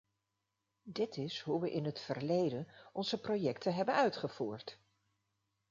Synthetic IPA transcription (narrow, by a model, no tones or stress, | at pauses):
dɪtɪsɦuʋəʔɪnɦətfəɹlejdənɔnzəprojɛktʰəɦɛbənœɥtχəv̥uːɹt